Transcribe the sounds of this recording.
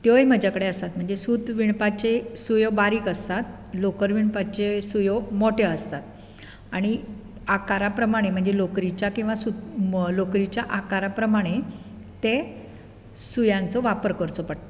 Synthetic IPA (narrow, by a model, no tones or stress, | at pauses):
t̪joem̤əd͡ʑakəɽeəst̪at̪m̤əɳd͡zesut̪ʋiɳpat͡ɕesujobaɾiːkəst̪at̪̚ | lokəɾʋiɳpat͡ɕesujomoʈeəst̪at̪̚ | aɽ̃i | akaɾapɾəmaɽ̃em̤əɳd͡zelokɾit͡ɕjakĩw̃ʋasulokɾit͡ɕjaʔakaɾapɾəmaɽ̃e | t̪e | sujãnt͡sɔʋapəɾkəɾt͡sɔpəɽt̪